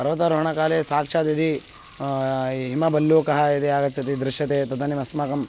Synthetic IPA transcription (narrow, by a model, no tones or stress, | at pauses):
pɐɾʋɐt̪ɐɾoɦɐɳɐkaːleːsaːkʂaːt̪ɐd̪i | ɦimɐbɐlːuːkɐɦɐid̪iaːɡɐt͡ʃːɐt̪id̪ɾɪʃjɐt̪eːt̪ɐd̪ɐnimɐsmaːkɐm